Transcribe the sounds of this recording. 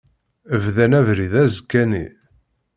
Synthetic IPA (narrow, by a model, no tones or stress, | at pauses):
əvðænævɾiðæzkːænḭ